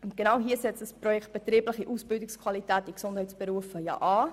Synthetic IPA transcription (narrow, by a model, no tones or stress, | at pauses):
ʊntɡ̥enawɦiːəsɛt͡sd̥əsprɔjɛkt̚b̥ɛt̪ɾiːblɪχiʔuːsb̥ɪldɪkskʰwɑlitɛːtiksʊndhɛɪtsb̥əɾuəfəjɑ̰ʔɑː